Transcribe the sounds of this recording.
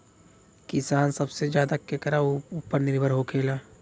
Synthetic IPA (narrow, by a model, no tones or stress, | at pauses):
kɪsaːnsɐbsed͡ʒjaːd̪akekɐɾaupːəɾnɪɾbʱəɾɦokʰeːlaː